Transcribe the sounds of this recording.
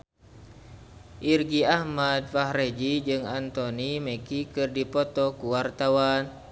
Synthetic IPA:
ʔirɡiahmad̚fahɾed͡ʒid͡ʒɨŋant̪onimekikɨrdipɔt̪ɔkuwart̪awan

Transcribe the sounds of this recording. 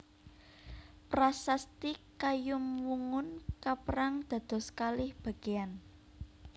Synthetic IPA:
pɾasast̪ikajʊmwuŋʊnkapəɾaŋd̪̥ä̤d̪̥ɔ̤skalɪhb̥a̤ɡ̥ean

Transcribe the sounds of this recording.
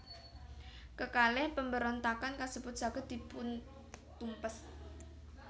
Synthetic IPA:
kəkalehpəmbəɾont̪akankasəbut̪̚ʒ̥a̤ɡ̥a̤d̪̥i̤pʊn | t̪umpəs

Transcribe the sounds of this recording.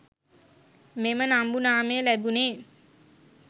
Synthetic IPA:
memənambunaːmejəlæbuneː

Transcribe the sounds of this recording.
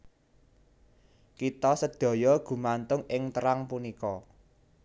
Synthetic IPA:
kit̪ɔsəd̪̥ɔ̤jɔɡ̥ṳmant̪ʊŋɪŋt̪əɾaŋpunikɔ

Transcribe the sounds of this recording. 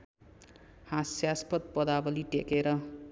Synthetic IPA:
hasjaspʌt̪̚pʌd̪abʌliʈekeɾʌ

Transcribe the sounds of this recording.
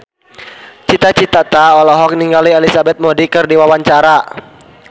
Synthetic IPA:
t͡ʃit̪at͡ʃit̪at̪aɔlɔɦɔk̚niŋɡaliɛlisabɛt̪̚modikɨrdiwawaɲt͡ʃaɾa

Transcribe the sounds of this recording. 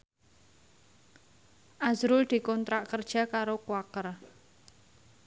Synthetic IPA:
ʔazɾʊld̪̥i̤kɔnt̪ɾaʔkərd̥ʒ̥a̤kaɾokuwakər

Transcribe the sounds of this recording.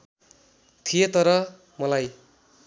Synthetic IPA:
t̪ʰijet̪ʌɾʌ | mʌlaj

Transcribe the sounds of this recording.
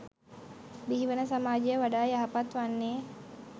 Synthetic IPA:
biɦiʋənəsamaːd͡ʒejəʋaɖaːjaɦapat̪ʋanːeː

